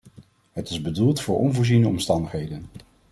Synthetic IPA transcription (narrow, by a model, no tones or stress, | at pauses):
ɦətɪzbədulˠtfʊːɹʔɔnvʊːɹzinəɔmstɑndəχɦejdən